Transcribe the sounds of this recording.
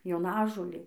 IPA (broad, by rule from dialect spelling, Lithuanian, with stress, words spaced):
joːˈnɑːʒoːlʲeː